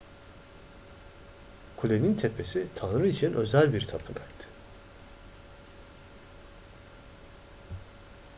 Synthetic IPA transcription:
kʰulʲenint̪ʰepʰe̞sit̪ʰanɾɯit͡ʃʰinʔø̞zælʲbiɾt̪ʰapʰɯnajt̪ʰːɯ̥

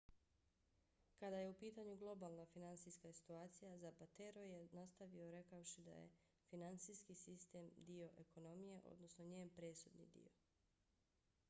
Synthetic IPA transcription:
kad̪aje̞upiːt̪aɲuɡlˠo̞baːlˠnafinant̪siskasi̥t̪uaːt̪sijazapat̪eɾojenast̪aʋio̞ɾe̞kaoʃid̪a̰jḛ | finant̪sijskisist̪e̞md̪io̞ʔeko̞no̞mije̞ʔo̞̰d̪no̞sno̞ɲeːnpɾe̞ːsud̪nḭd̪ḭo̰

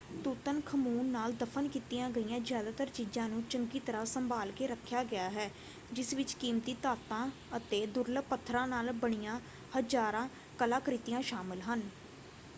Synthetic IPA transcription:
t̪uːt̪ənkʰəmuːnːaːld̪əpʰənkiːt̪ijãːɡəiːjãːzjaːd̪aːt̪əɾt͡ʃiːd͡ʒãːnũːt͡ʃəŋɡiːt̪əɾaːsəmbaːlkeːɾəkʰːjaːɡɪaːɦɛː | d͡ʒɪsʋɪt͡ʃkiːmt̪iːt̪aːt̪ãː | ət̪eːd̪ʊɾlpət̪ʰːɾãːnaːlbəɳ̃ijãː | həd͡ʒaːɾãː | kəlãːkɾɪt̪ijãːʃaːmɪlɦən

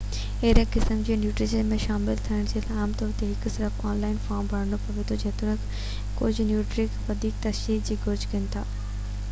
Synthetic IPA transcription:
eɾəkɪsəmd͡ʑeːnjuːʈɾɪʃənmẽʃaːmɪlt̪ʰɐəɽ̃d͡ʑeːlaːmt̪ɔːɾt̪eɦɪksɪɾəfaːnlaːɪnfaːmbʱɐɽnopɐʋet̪ʰod͡ʑɐːt̪ʊɽ̃ək | kʊd͡ʑʱʊnjuːʈɾɪkʋɐd̪ʱiːk̚t̪ɐʃiːk̚d͡ʑiːɡʊɾd͡ʑʱkɪnɪ̆t̪ʰaː

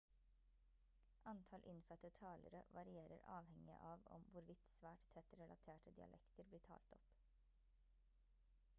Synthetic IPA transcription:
ʔɑnt̪ʰɑlʔɪnfœt̪ət̪ʰɑːlʔəɾə̰ʋɑɾɪeːɾəɾɑ̰ːʋhɛŋɪə̰ʔɑːʋɔ̰mʋʊɾʋɪt̪sʋæːʈt̪ʰɛt̪ɾɛlʔɑt̪ʰeːʈəd̪ɪɑ̰lʔɛkt̪əɾbliːʈʰɑ̰ːlt̪ɔp

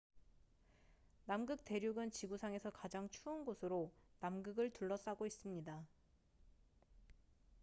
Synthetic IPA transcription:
namɡɯk̚te̞ɾjuɡɯnt͡ɕiɡusʰaŋe̞sʰʌkad͡ʑaŋt͡ɕʰuɯnɡosʰɯɾonamɡɯɡɯɭtuɭːʌs͈aɡois͈ɯmɲida

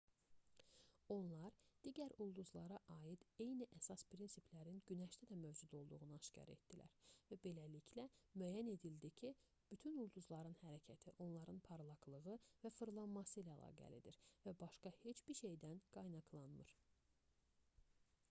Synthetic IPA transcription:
o̞nlˠɑɾd̪̥iɟæɾulˠd̪uzlˠɑɾɑʔɑːjid̪̥e̞jniʔæsɑspʰɾinsiplæɾinɟynæʃt̪ʰæd̪æmøvd͡ʒud̪o̞lˠd̪uʁunɯɑʃcʰɑ̰ɾe̞̰t̪̚d̪̥ilæ̰ɾvæbe̞lælicʰlæmyæːjæne̞d̪ild̪icʰi | b̥yt̪ʰynulˠd̪uzlˠɑɾɯnhæɾæcʰæt̪ʰiʔo̞nlˠɑɾɯnpʰɑɾlˠɑɡlˠɯɣɯvæfɯɾlˠɑnmɑsɯjlæ̰ːlˠɑ̰ːɡæ̰lid̪ḭɾvæbɑʃkɑhe̞t͡ʃb̥iɾʃe̞jd̪ænɡ̥ɑjnɑɡlˠɑnmɯ̰ɾ̥

